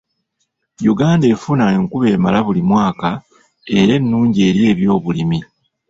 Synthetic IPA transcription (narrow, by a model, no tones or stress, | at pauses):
juɡaːnde̞ːfunaeŋkuβe̞ːmalaβulimwaːka | e̞ɾe̞nːuːɲɟie̞ːɾje̞ːβjo̞ːβulimi